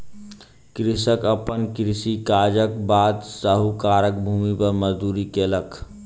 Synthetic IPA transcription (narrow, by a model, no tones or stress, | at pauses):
kɾɪsəkəpənkɾɪsikaːd͡ʒək̚baːd̪səɦukaːɾək̚bʱuːmipəɾməzd̪uːɾikeːləkʰ